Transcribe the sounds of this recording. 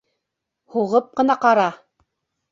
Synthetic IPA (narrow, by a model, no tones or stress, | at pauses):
huʁɤp̚qɤ̆nɑqɑɾɑ